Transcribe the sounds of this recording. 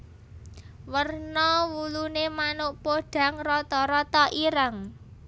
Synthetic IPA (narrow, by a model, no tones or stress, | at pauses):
wərnɔwulunemanoʔpoɖ̥a̤ŋrɔt̪ɔɾɔt̪ɔʔiɾaŋ